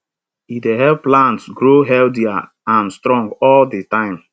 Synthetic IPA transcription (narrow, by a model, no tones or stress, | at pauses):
ideɦɛlplãntsɡɹoɦɛldia | ãnstɹɔ̃ŋɡɔlditãɪ̃m